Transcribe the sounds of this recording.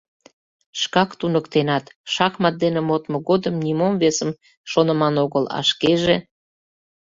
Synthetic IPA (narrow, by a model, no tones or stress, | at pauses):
ʃkɑkt̪unəkt̪enɑt̪ʃɑxmɑt̪̚d̪enemot̪moɣod̪əmnʲimomvesəm | ʃonə̆mɑnoɣəlɑ̰ʃkeʒe